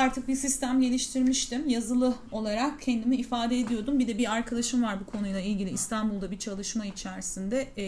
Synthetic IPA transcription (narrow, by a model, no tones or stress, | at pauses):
aɾt̪ʰɯk̚bisist̪ʰæmɟe̞lʲiʃt̪ʰiɾmiʃt̪imjazɯlˠɯ | o̞lˠaɾakcʰːɛnd̪imiːfaːd̪ɛed̪ijo̞d̪umbid̪ɛbiɾaɾkʰad̪aʃɯmvaɾbukʰo̞nujlˠailʲɟʲilʲiːst̪ʰanbulˠd̪abit͡ʃʰalˠɯʃmait͡ʃʰæɾsind̪ɛ